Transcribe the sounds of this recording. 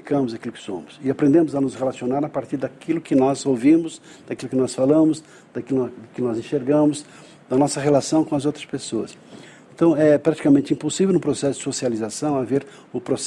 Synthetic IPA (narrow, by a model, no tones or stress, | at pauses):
ikɐ̃mʊzakilʊkɪ̥sõ̰mʊsɪapɾẽnd̪ẽmʊzɐnʊzʁelasionaɾapaɾt̪iɾd̪akʰilʊkɪnɔzowvĩmʊz | d̪̥ɐkilʊkɪnɔsfalɐ̃mʊz | d̪̥ɐkild̪ʊkɪnɔzẽʃeɾɡɐ̃mʊz | d̪ɐnɔsɐʁelasɐ̃w̃kõɐzowt̪ɾɐ̥spesoɐ̰s | ẽnt̪ɐ̃w̃ɛpɾat͡ʃ̪i̥kamẽnt̪ɪĩposivewnʊ̃pɾosɛsʊd̪ɪsosializasɐ̃w̃aveɾ | ʊpɾos